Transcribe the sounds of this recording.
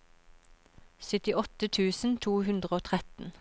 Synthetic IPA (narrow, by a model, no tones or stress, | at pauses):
sʏt̪ɪʔɔt̪ət̪ʰʉːsn̩t̪ʰuːhʉnd̪ʁəoːt̪ʰʁɛt̪n̩